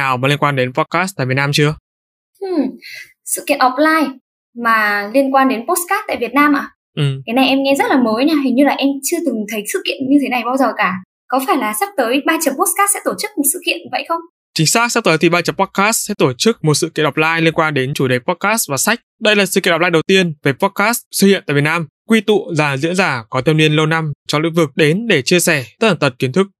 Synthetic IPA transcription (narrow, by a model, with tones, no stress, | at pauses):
naː˨˩wmaː˨˩i˧ənkwaː˧nɗe˨˦npɔ˦˥t̚kaː˦˥st̪a̰ː˧˨vi˨˩ətnaː˧mt͡ɕɨ˧ə | ʔɨ˨˩m | sɨ̰˧˨kḭ˧˨ənʔɔ˨˩p̚laː˧j | maː˨˩li˧ənkwaː˧nɗe˨˦npo˦˥s̚kaː˦˥t̚t̪a̰ː˧˨jvi˨˩ət̚naː˧mʔaː˨˩ | ʔɨ˨˩kaː˨˦jna˨˩jʔɛ˧mŋɛ˧zə˦˥t̚laː˨˩məː˨˦jɲaː˧ɦi˨˩ŋɲɨ˧laː˨˩ʔɛ˧mt͡ɕɨ˧ət̪ɨ˨˩ŋt̪ʰə˨˦jsɨ̰˧˨kḭ˧˨ənɲɨ˧t̪ʰe˨˦na˨˩jɓaː˧wzəː˨˩kaː˧˩ | kɔ˨˦faː˧˩jlaː˨˩sa˦˥k̚t̪əː˨˦jɓaː˧t͡ɕə˨˩mpo˦˥kaː˦˥sɛ̰˧˥t̪o˧˩t͡ɕɨ˦˥k̚mo˨˩t̚sɨ̰˧˨kḭ˧˨ənvə̰˧˨jxə˧wŋ͡m | t͡ɕï˨˦ŋ̟saː˦˥k̚sa˦˥k̚t̪əː˨˦jt̪i˨˩ɓaː˧t͡ɕə˨˩˦pɔ˦˥t̚kaː˦˥ssɛ̰˧˥t̪o˧˩t͡ɕɨ˦˥k̚mo˨˩t̚sɨ̰˧˨ki˧˨nɗɔ˨˩p̚la̰ː˧jli˧nkwaː˧nɗe˨˦nt͡ɕu˧˩ɗe˨˩jpɔ˦˥t̚kaː˦˥svaː˨˩sa˦˥jk̟̚ɗə˧jlaː˨˩sɨ̰˧˨ki˧˨ɗp̚laː˧jɗə˨˩wt̪i˧ənve˨˩pɔ˦˥kaː˦˥ssɨ˧ḭ˧˨nt̪a̰ː˧˨˩vnaː˧m | kwi˧t̪ṵ˧˨zaː˨˩zḭ˧˥ənzaː˧˩kɔ˨˦t̪ʰɛ˧ni˧ənlə˧wna˧mt͡ɕɔ˧ŋ͡mlɨ̰˧˥ŋvɨ˨˩k̚ɗe˨˦nɗe˧˩t͡ɕi˧əsɛ˧˩t̪ə˦˥t̪̚ʰaː˧˩t̪ə˨˩ki˨˦ənt̪ʰɨ˦˥k̚